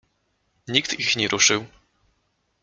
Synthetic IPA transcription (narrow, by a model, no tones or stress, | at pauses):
ɲikt̪ixɲɛɾʔuʂɘw